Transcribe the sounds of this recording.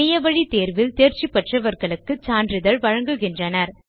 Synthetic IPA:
ɪjɐʋɐɻit̪eːɾʋɪlt̪eːɾt͡ʃipːɐʈrɐʋɐɾɣɐɭɯkːɯt͡ʃaːndrɪðɐɭʋɐɻɐŋɡɯɣɪndrɐnɐɾ

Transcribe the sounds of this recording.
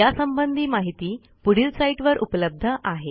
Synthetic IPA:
jasəmbənd̪ʱiːmaɦit̪iː | puɽ̤iːlsaiʈʋəɾʔupləb̚d̪ʱəʔaɦe

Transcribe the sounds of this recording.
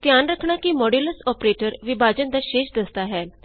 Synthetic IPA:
t̪jaːnɾəkʰɽ̃aːkimɔːɖiləsɔːpɾeːʈəɾʋɪbʱaːd͡ʒənd̪aːʃeːʃd̪əst̪aːɦɛː

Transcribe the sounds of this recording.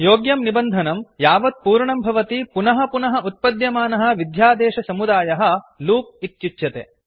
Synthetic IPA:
joːɡjɐmnibɐnd̪ʱɐnɐmjaːʋɐd̪̚puːɾɳɐmbʱɐʋɐt̪ipunɐɦɐ̆punɐɦɐʔut̪̚pɐd̪jɐmaːnɐɦɐ̆ʋid̪ʱjaːd̪ɛːʃɐsɐmud̪aːjɐɦɐ̆luːp̚it̪t͡ʃitjɐt̪ḛ

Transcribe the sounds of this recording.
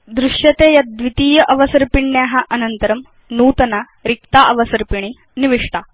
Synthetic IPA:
d̪ɾuʂjɐt̪eːjɐd̪ʋit̪iːjɐʔɐʋɐsɐɾpiɳːjaːɦɐʔɐnɐnt̪ɐɾɐm | nuːt̪ɐnɐ | ɾik̚t̪aːʔɐʋɐsɐɾpiɳi | niʋiʂʈaː

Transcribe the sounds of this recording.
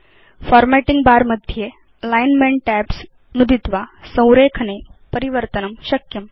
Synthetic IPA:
fɔɾmæʈiŋɡbaɾməd̪ʱje | əlajnmeɳʈʈæps | nud̪ʱit̪ʋasə̃w̃ɾekʰənepəɾiʋəɾt̪ənəmɕɐkjəm

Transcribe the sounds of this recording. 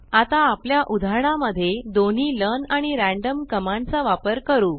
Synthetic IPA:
at̪aːpljaʔud̪ʱaɾɳaməd̪ʱːjed̪on̤iːlənaɽ̃iɾæ̃ɳɖəmkəmãɳt͡saʋapəɾkəɾuː

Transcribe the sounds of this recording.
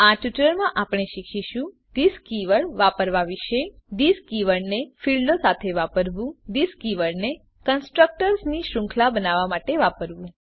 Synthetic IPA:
aʈiʈləɭmãʔapɳ̃eʃikʰiʃũ | d̪iskiʋəɭʋapəɾʋaʋiʃed̪iskiʋəɭnefilɖosat̪ʰeʋapəɾʋũd̪iskiʋəɭne | kənsʈɾək̚ʈəɾsniʃɾʊ̃ŋkʰlabənaʋamaʈeʋapəɾʋũ

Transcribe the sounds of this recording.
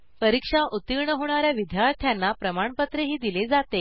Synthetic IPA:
pəɾikʂaʔut̪iɾɳəɦoɽ̃aɾjaʋid̪ʱjaɾt̪ʰjanːapɾəmaɳpət̪ɾeɦiːd̪iled͡zat̪e

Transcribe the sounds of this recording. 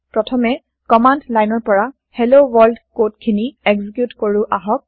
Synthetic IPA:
pɹɔtʰɔmɛ | kɔmandlajnɔɹpɔɹa | helowɔɹldkotkʰiniɛɡzikjutkoɹʊʔaɦɔk̚

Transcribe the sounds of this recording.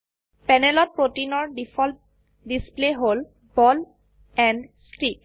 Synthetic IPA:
pɛnelɔt̚pɹotinɔɹɖipʰɔlt | displeɦol | bɔl | ɛnɖstik̚

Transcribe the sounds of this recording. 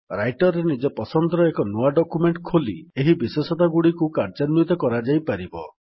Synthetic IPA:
ɾajʈɔɾenid͡ʒɔpɔsɔnd̪ɾɔekɔnuaɖɔkumeɳʈkʰolḭeɦibiswesɔt̪aɡuɽikukaɾd͡ʒanjut̪ɔkɔɾad͡ʒajpaɾibɔ

